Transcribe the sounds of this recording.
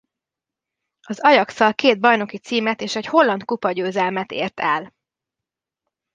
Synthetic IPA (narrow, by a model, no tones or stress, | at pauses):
ɒzɒjɒksɒlkeːd̪̚bɒjno̞kit̪siːmɛt̪eːʃɛcho̞lːɒnt̪̚kupɒɟøːzɛlmɛt̪ḛːrt̪ʰɛl